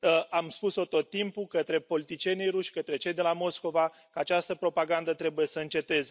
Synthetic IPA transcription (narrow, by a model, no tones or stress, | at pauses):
əamspuso̞t̪o̞t̪ːimpukət̪ɾe̞po̞lit̪it͡ʃie̞nijɾuʃkət̪ɾe̞t͡ʃe̞jd̪e̞lamo̞sko̞va | kəat͡ʃast̪əpɾo̞paɡand̪ət̪ɾe̞buje̞səɨnt͡ʃe̞t̪e̞z